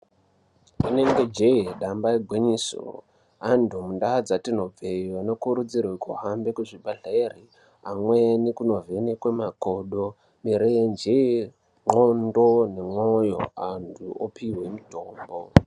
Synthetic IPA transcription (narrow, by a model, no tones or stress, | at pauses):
ine̞ŋɡe̞d͡ʒeeɗambaeɡʱweɲiso̰ | andʱumundad͡zatino̞b͡vʱeiano̞kuɾud͡zirako̰ɦambekuʐibʱaɮeri | amwenikuno̞ve̞nekwemakoɗo | miɾend͡ʒe | ŋ͡ǃondone̞ŋojo̰antʰuopiwe̞mito̞ːmbo